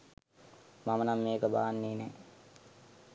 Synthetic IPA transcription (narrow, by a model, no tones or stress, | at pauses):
mamənamːeːkəbaːanːeːnɛ